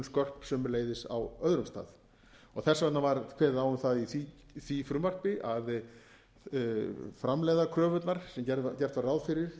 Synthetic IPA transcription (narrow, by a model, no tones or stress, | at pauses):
nskœr̥psɛmleːjðɪsa̰wœðɾʏmst̪a̰ːð | ɔθɛsːavɛt̪navaɾkʰvɛːɾawʏmθaðiθi | θifɾʏmvar̥pɪʔað | fɾamlɛðakʰɾœːvʏt̪naɾ̥sɛmcɛcɛr̥t̪varawðfɪɾɪɾ̥